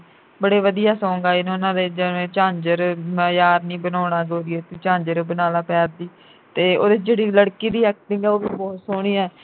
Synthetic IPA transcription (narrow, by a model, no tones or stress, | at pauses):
bəɽeːʋəd̪ijaːsɔ̃ːŋɡaːinːʊnãːd̪eːd͡ʒəʋẽːt͡ʃãːɲd͡ʒəɾjaːɾnĩːbənɔːɽ̃aːɡoːɾɪɛːt̪uːt͡ʃãːɲd͡ʒəɾbənaːlaːpɛːɾd̪iː | t̪eːo̰ːd̪eːd͡ʒeːɽiːləɽkiːd̪iːɛːk̚t̪ɪ̃ɡɛːoːbiːbɔːt̪soːɽ̃ĩːɛː